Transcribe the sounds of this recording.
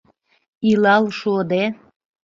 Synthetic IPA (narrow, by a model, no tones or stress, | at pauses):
ilɑlʃod̪e